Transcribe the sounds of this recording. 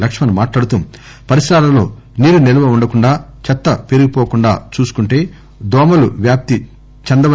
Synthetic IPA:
lɐkʂɐmɐnumaːʈlaːɽut̪um | pɐɾisɾaːlɐmlo̞̰ː | niːɾuneluʋɐuɳɖɐkuɳɖaːt͡ʃɐt̪ːɐpeɾuɡipoːkuɳɖa̰ːt͡ʃuːsu̥kuɳʈe̞ː | d̪ɔːmɐluʋjaːp̚t̪i | t͡ʃɐnd̪ɐʋɐ

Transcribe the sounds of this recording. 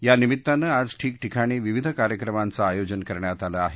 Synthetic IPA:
janimitt̪ːanəːad͡zʈʰiːk̚ʈʰikʰaɽ̃iːʋiʋid̪ʱəkaɾjəkɾəmant͡saːjod͡ʑənkəɾɳjat̪alaːɦe

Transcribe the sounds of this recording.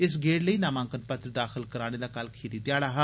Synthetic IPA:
ɪs̬ɡeːɽləiːnaːmãːŋkənpət̪ɾəd̪aːxʰəlkəɾaːñeːd̪aːkəlkʰiːɾiːt̪ɪjaːɽaːɦa

